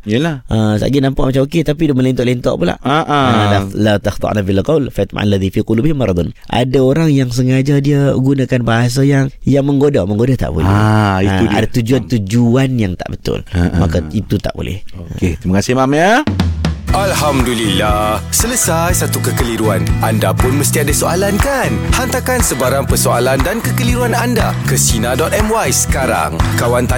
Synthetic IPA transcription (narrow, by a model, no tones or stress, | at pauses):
ijəlaʔəsa̰ʔɡinampaʔmat͡ʃamoket̪apidʊməlɛnt̪ɔʔlint̪ɔ̰ʔpula̰ʔaʔəlalat̪axt̪ˤɑ̰ʔnabialqawlfat̪̚ma̰ʔa̰nlːaðifiqulubhmaɾˤd̪ʊnʔa̰daoɾaŋjaŋs̬əŋad͡ʒadiəɡunakanbaɦas̬ajaŋjaŋməŋɡodaməŋɡodat̪a̰ʔbo̰laɛ̰hia̰dat̪ud͡ʒuant̪ud͡ʒuanjaŋt̪a̰ʔbət̪ʊ̰ləʔma̰kait̪ut̪a̰ʔbo̰lɛ̰hoket̪imakasɪhmamɲa | ʔalhamdulilahsələsajsat̪ukəkəliɾua̰nandapʊnməst̪iadasoalankanhant̪akansəbaɾaŋpərsoalandankəkəliɾuananda | kəsinadɔt̪ɛmwajsə̥kaɾa̰ŋkawant̪a